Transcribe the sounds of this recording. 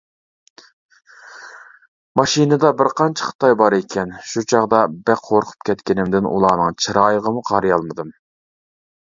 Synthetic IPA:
mɑʃinɨd̪ɑbɪɾqʰɑnt͡ʃʰɛ̥χə̥t̪ʰɑjbɑɾekʲʰɛnʃut͡ʃʰɑʁd̪ɑbæqʰoɾqʰʊ̥p̚kʲʰɛt̪kʲɪnɪmd̪ɪnṵlˠɑːnɨŋt͡ʃʰɨɾɑːjəʁəmuqʰɑɾɨjɑlˠmɨd̪ɨm

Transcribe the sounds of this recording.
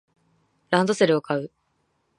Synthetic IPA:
ɾãnd̪o̞se̞ɾɯ̟o̞kʰaɯ̟

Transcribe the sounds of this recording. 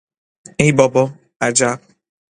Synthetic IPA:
ebɔbɔ | ad͡ʒa

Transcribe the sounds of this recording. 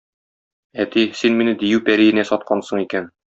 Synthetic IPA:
æt̪isinminɘd̪ijʉpæɾijɘ̆næsɒt̪̚qɑnsɤɴikæn

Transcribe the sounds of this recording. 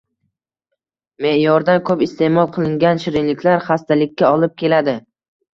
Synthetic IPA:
me̞ʔjɒɾd̪ankʰɵpɪst̪ʰe̞mɒlˠqʰɨlˠɪŋɡʲanʃɪɾɪnlɪkʲʰlaɾχast̪ʰalɪkʲːaɒlˠɪp̚kʲʰe̞lad̪ɪ

